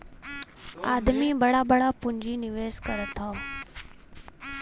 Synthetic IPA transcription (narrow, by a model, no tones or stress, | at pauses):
aːd̪mibɐɽabɐɽapʊ̃ɲd͡ʑinɪʋeːskɐɾət̪ʰːaː